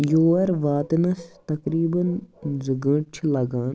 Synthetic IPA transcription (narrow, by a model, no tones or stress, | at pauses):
joːɐɾʋaːt̪nɐst̪ɐkɾiːbɐnziɡə̃t͡ʃʰlɐɡaːn